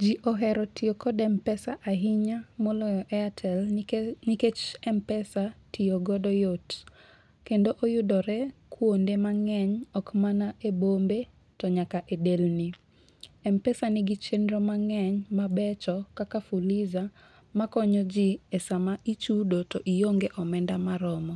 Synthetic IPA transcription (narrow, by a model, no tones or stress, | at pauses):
d͡ʒiʔɔɦɛɾɔtiokɔdɛmpɛsaʔaɦiɲamɔlɔjɔʔɛatʰɛlniket͡ʃɛmpɛsatioɡɔdɔjot | kendoʔojʊdɔɾɛkʰwondemaŋɛɲɔkmanaʔebombe | tɔɲakaʔedelni | ɛmpɛsanɪɡit͡ʃenɾɔmaŋɛɲmabɛt͡ʃɔkakafuliza | makɔɲɔd͡ʒiesamaʔit͡ʃudotoʔijoŋɡeʔɔmɛndamaɾɔmɔ